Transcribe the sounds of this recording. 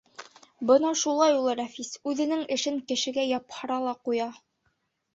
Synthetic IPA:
bɤnɑʃulˠɑjulˠɤɾæfisʉðɘ̆nɘŋɘ̆ʃɘŋkɘ̆ʃɘ̆ɡæjɑphɤ̆ɾɑlˠɑqujɑ

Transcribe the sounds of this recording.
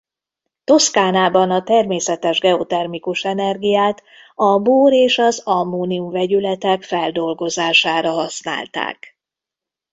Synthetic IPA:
t̪o̞skaːnaːbɒnɒt̪ɛrmeːsɛt̪ɛʒɡɛo̞t̪ɛrmikuʃɛnɛrɡijaːt̪ | ɒboːɾeːʃɒzɒmːoːniumvɛɟylɛt̪ɛkfɛld̪o̞lɡo̞zaːʃaːɾɒɦɒsna̰ːlt̪a̰ːk

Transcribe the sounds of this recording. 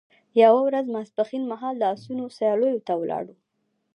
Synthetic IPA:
jawawɾazmasbaxinmaɦɑld̪əɑsunosajɑlojot̪awlʔɑ̰ɽu

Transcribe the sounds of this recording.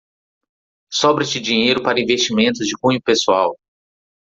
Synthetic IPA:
sɔbɾɪt͡ʃɪd͡ʒĩɲejɾʊpaɾɐĩvest͡ʃimẽnt̪ʊzd͡ʒɪhũɲ̃ʊpesuaw

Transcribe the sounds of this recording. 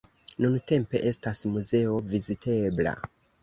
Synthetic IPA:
nunte̞mpe̞ʔe̞stasmuze̞o̞vizitʰe̞bla̰

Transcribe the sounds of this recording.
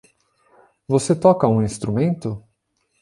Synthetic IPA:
voset̪ɔkɐũĩst̪ɾumẽnt̪ʊ

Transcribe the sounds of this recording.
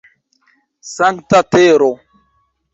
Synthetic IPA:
saŋkt̪at̪eɾo

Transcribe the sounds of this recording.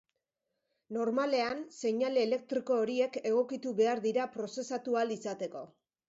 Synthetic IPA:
no̞ɾmale̞anse̞ɲale̞ːle̞k̚t̪ɾiko̞ːɾie̞ke̞ɣ̞o̞kit̪uβe̞aɾðiɾapɾo̞se̞sat̪ualisat̪e̞ko̞

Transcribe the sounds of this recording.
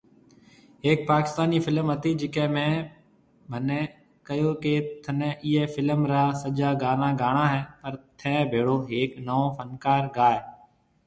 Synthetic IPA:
eːk̚paːkɪ̥st̪aːniːfʰɪlmət̪iːd͡ʒɪkɛ̃ːmɛ̃ː | bʱənẽː | kəjoːkeːt̪ʰənẽːʔiːeːfɪləmɾaːsəd͡ʒaːɡaːnaːɡaːɳãːɦɛːpəɾt̪ʰɛ̃ːbʱeːɽoːɦeːknəõːpʰənkaːɾɡaːɛː

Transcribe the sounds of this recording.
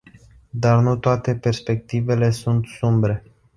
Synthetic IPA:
d̪arnut̪oat̪e̞pe̞rspe̞k̚t̪ive̞le̞sunt̪sumbɾe̞

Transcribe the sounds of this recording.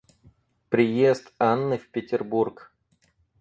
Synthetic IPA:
pɾʲɪjest̪anːɨfʲpʲɪtʲɪrburk

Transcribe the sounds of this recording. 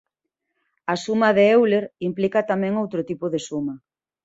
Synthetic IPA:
ɐsumɐðeewleɾimplikɐt̪amɛ̃ŋowt̪ɾʊt̪ipʊðesumɐ

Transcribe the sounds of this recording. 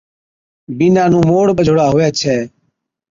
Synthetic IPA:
binãːnũːmoːɽɓəd͡ʒʱoɽaːɦʊeːt͡ʃʰeː

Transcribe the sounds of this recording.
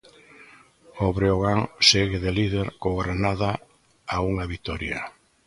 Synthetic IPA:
oβɾeoɣaŋseɣeðeliðeɾkoɣɾenaða | auŋaβit̪ɔɾja̰

